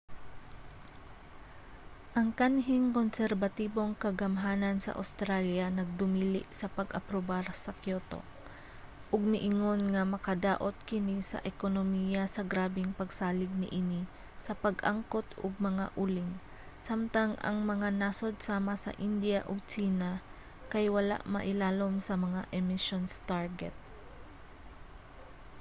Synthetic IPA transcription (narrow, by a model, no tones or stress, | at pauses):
ʔɐŋkanɦɪŋkonsɛɾbɐt̪iːbo̞ŋkɐɡɐmɦaːnɐnsɐ̰ʔa̰wst̪ɾaljɐnɐɡ̚d̪ʊmiːlɪʔsɐpɐɡʔɐ̰pɾobaɾsɐkjoːt̪o̞̰ | ʔʊɡ̚mɪʔɪŋo̞nŋɐmɐkɐd̪aːʔot̪̚kɪnisɐ̰ʔɛkonomiːjɐsɐɡɾaːbɪŋpɐɡsaːlɪɡ̚nɪ̰ʔɪni | sɐpɐɡʔaŋkot̪ʊɡ̚mɐŋaʔulɪŋ | samt̪ɐŋʔɐ̰ŋmɐŋanasod̪̚saːmɐsɐ̰ʔɪnd̪jaʔoɡ̚t͡ʃiːna | kɐjwɐla̰ʔmɐʔɪlaːlo̞msɐmɐŋaʔɛmɪʃonst̪aɹɡɛ̰t̪̚